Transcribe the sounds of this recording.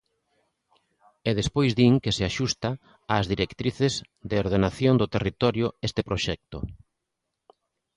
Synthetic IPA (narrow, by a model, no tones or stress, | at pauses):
eðespojzðiŋkeseaʃust̪a | aːzðiɾekt̪ɾiθez | d̪eoɾð̞enaθjoŋd̪ot̪erit̪ɔɾjʊest̪epɾoʃɛk̚t̪ʊ